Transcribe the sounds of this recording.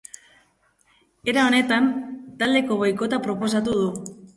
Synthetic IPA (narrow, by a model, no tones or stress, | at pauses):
eɾao̞ne̞t̪ant̪ald̪e̞ko̞ɣojko̞t̪apɾo̞po̞s̬at̪uð̞u